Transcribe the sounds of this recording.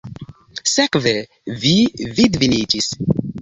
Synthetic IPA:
sekve | vividvinid͡ʒis

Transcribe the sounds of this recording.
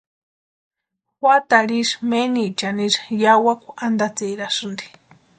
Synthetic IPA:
xwat̪aɺismenit͡ʃaniʐjawakʷaand̪at͡seɾaʂɨnd̪i̥

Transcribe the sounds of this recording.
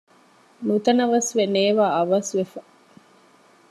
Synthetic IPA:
nut̪ɐnɐʋɐsʋeneːʋaːɐʋɐsʋefɐ

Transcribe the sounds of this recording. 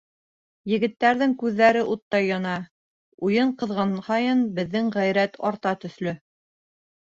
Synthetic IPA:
jɘ̆ɡɘ̆t̪ːæɾðɘŋkʉðːæɾɘʔut̪ːɑjːɒnɑ | ujɤɴqɤ̆ðʁɑnhɑjɤnbɘ̆ðːɘŋʁæjɾæt̪ɑɾt̪ɑt̪ɵ̆θlɵ

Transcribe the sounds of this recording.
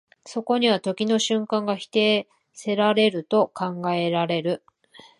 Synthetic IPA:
so̞ko̞ɲ̟iβat̪o̞kʲino̞ɕɨ̃ŋkãŋɡaçi̥t̪e̞ː | se̞ɾaɾe̞ɾɯ̟t̪o̞kãŋɡae̞ɾaɾe̞ɾɯ̟

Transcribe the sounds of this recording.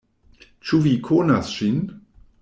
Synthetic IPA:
t͡ʃuvikʰonasʃin

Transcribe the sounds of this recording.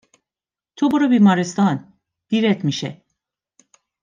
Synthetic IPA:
t̪ʰobuɾɯbimaɾest̪an | b̥iɾɛt̪miʃɛ̰

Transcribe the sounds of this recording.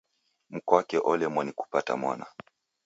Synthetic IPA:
m̩kɔwakɛʔɔlɛmwaniku̥pata̰mwa̰na̰

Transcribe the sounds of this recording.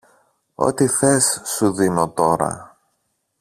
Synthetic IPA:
o̰t̪iθe̞sːuðino̞t̪o̞ɾɐ̰

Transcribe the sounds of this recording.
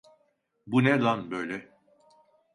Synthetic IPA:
buned̪anbø̞jlʲɛ

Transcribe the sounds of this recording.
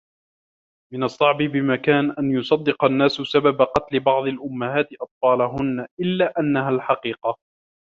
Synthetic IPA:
mɪnɑsˤːɑʕbɪbɪmakaːnʔanjʊsˤɑd̪ːɪqɑnːaːsʊsababaqɑt̪lɪbɑʕd̪ˤɑlʔʊmːahaːt̪ɪʔɑt̪̚ˤfɑːlaɦʊnːaʔɪlːaːʔanːaɦalħɑqiːqɑ

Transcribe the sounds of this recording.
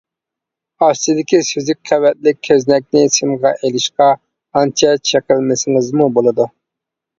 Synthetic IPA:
ɑst͡ʃid̪ɪkʲisyzɪk̚ʲqʰɛwɛt̪̚lɪkʲʰːøznɛk̚ʲnɪsɪmʁɑʔelɪʃqɑ | ɑnt͡ʃʰɛt͡ʃʰeqɪlˠmɪsɪŋɨzmubolˠɨd̪u

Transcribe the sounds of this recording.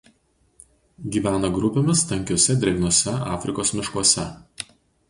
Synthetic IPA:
ɡʲiːʋʲæːnɐɡɾʊpʲemʲɪst̪ɐŋʲkʲoːsʲɛd̪ʲɪɾʲɛɡnuɔsʲɛʔɑːfʲɾʲɪkoːsmʲɪʃkuɔsʲɛ

